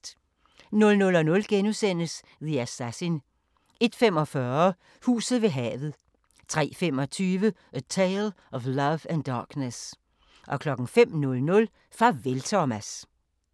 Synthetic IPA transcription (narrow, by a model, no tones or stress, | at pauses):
nɔ̽lnɔ̽lɒ̽nɔ̽lɡ̥enusen̰əs | ðiæsæsin | e̝d̥fem̰ɒ̽fɶɐ | hṵːsð̩ˠʋe̝ɦɛ̰ːʋð̞̩ˠ | t͡sʰʁɛ̰ːfem̰ɒ̽t͡sʰyːʋə | ʔət͡sʰeɪl | ɒ̽flɐʋænd̥ɑ̈ːɡ̥nəs | ʔɒ̽kʰlɒ̽ɡ̥ŋ̩fem̰nɔlnɔ̽l | fʁɑ̈ʋelt͡sʰɒmæs